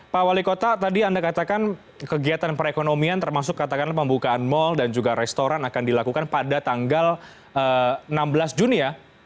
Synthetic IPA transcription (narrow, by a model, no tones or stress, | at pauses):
pawalikot̪at̪adiandakat̪akan | kəɡiat̪anpəɾekonomiant̪ərmasʊkːat̪akanpəmbukaːnmɔldand͡ʒuɡaɾɛst̪oɾanakandilakukanpadat̪aŋɡal | əənambəlasd͡ʒunia